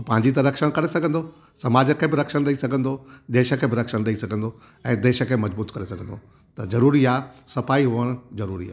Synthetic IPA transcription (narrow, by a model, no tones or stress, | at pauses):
pɐ̃ɦɪ̃ɲ̆d͡ʑit̪ɐɾɐkʃəɽ̃kɐɾesɐɡʱə̃nd̪o | sɐmaːd͡ʑə̆kʰeːbɪɾɐkʃəɽ̃ɗɐɦisɐɡʱə̃nd̪od̪eːʃə̆kʰeːbɪɾɐkʃəɽ̃ɗɐɦisɐɡʱə̃nd̪o | ɛ̃ːd̪eːʃə̆kʰeːmɐd͡ʑbuːt̪kɐɾesɐɡʱə̃nd̪o | t̪ɐzɐɾuːɾiaːsɐfaːiɦuəɽ̃zɐɾuːɾiaː